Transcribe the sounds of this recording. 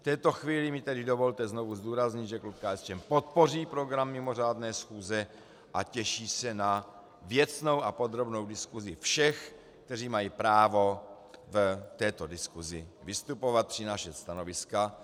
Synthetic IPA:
ft̪ɛːt̪o̞xviːlɪmɪt̪ɛdɪdovo̞lt̪ɛznovuzd̪uːɾazɲɪd̪ʒɛklup̚kaːɛst͡ʃɛmpo̞t̪̚po̞riːpɾo̞ɡɾamːɪmo̞r̝aːdnɛːsxuːzɛ | ʔacɛʃiːsɛna | vjɛt͡sno̞wʔapo̞d̪ɾo̞bno̞wdɪskuzɪfʃɛx | kk̚t̪ɛriːmajipɾaːvo̞ | vt̪ɛːt̪o̞dɪskuzɪvɪst̪upo̞vat̪̚pr̥ɪnaʃɛst̪ano̞vɪska

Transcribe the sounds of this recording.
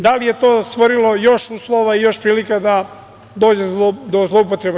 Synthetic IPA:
d̪alije̞t̪o̞ːst̪ʋoɾilo̞jo̞ʃuːslˠo̞ʋaijo̞ʃpɾiːlikad̪a | d̪o̞ːd͡ʑed̪ozlˠoupot̪ɾeb

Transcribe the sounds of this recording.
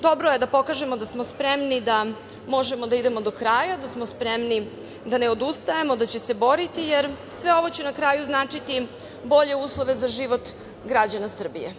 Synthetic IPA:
d̪o̞bɾoje̞d̪apo̞kaʒe̞mo̞d̪asmospɾemnid̪a | mo̞ʒe̞mo̞d̪aid̪e̞mo̞d̪o̞kɾaːjad̪asmospɾemni | d̪ane̞od̪ust̪ajemo̞d̪at͡ɕese̞bo̞ɾit̪ijeɾ | sʋe̞o̞ʋo̞t͡ɕenakɾaːjuznaːt͡ʂit̪i | bo̞ʎe̞uːslˠoʋe̞zaʒiʋo̞t̪ | ɡɾad͡ʑanasr̩bije

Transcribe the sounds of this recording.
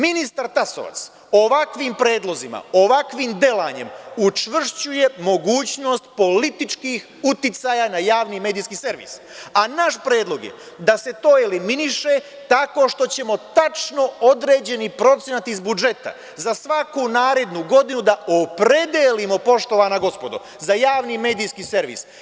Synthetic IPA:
minist̪aɾt̪aso̰ʋa̰t̪s | o̞ʋakʋimpɾe̞ːd̪lˠo̞zima̰o̞ʋakʋimd̪e̞laɲe̞̰mut͡ʃʋr̩ʃt͡ɕuje̞mo̞ɡuːt͡ɕno̞st̪po̞lit̪it͡ʃkix | ut̪it̪sajanajaːʋnime̞ːd̪iːskiːse̞ɾʋḭs | anaʃpɾe̞ːd̪lˠo̞ɡjḛ | d̪ase̞t̪o̞ːeliminiʃe̞ | t̪ako̞ʃt̪o̞t͡ɕe̞mo̞t̪at͡ʃno̞od̪ɾe̞ːd͡ʑe̞nipɾo̞t̪sʲjenat̪izbud͡ʒe̞t̪a̰ | zasʋakunaːɾe̞d̪nuɡo̞d̪inud̪ao̞pɾe̞d̪elimo̞po̞ʃt̪o̞ʋaːnaɡo̞spo̞d̪o̰ | zajaːʋnime̞ːd̪iːskiːse̞ɾʋḭs

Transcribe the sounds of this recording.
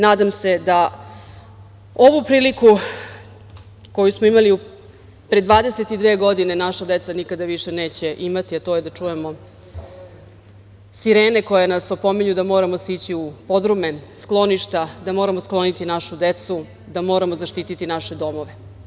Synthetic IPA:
naːd̪amse̞d̪a | o̞ʋupɾiːliku | ko̞jusmo̞imaliu | pɾed̪ʋaːd̪eset̪id̪ʋe̞ːɡo̞d̪ine̞naʃad̪e̞t̪sanikad̪aʋiʃe̞ne̞ːt͡ɕe̞ʔimat̪iat̪o̞je̞d̪at͡ʂuje̞mo̞ | siɾeːne̞ko̞jenaso̞po̞meɲud̪amo̞ːɾamosit͡ɕiupo̞d̪ɾume̞sklˠo̞niʃt̪ad̪amo̞ɾamosklˠo̞nit̪inaʃud̪et̪su | d̪amo̞ːɾamo̞zaʃt̪iːt̪it̪inaʃe̞d̪o̞mo̞ʋe̞

